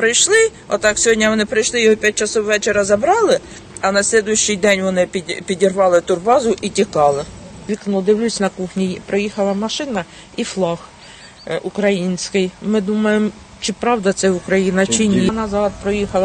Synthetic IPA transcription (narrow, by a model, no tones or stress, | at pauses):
pɾɪjʃlˠɪ | ɔt̪ɑksʲɔɦɔdʲnʲɐʋɔnɪpɾɪjʃlˠɪjɔɦɔpʲjat̚ʲt͡ʃɐsɔwʋɛt͡ʃeɾɐzɐbɾɑlˠɪ | ɐnɐsʲlʲɛd̪ʊjʊʃʲt͡ʃɪjd̪ɛnʲʋɔnɪpʲidʲpʲidʲirʋɑlˠɪt̪ʊrbɑzʊʔitʲikɑlˠɪlʲiknɔd̪ɪwlʲusʲnɐkuxnʲipɾɔjixɐlˠɐmɐʃɪnɐ | iflˠɑx | ukɾɐjinʲsʲkɪjmɪd̪umɐjemɔ | t͡ʃɪpɾɑwd̪ɐt̪sɛʊkɾɐjinɐt͡ʃɪnʲinɐzɑd̪̚pɾɔjixɐlˠɐ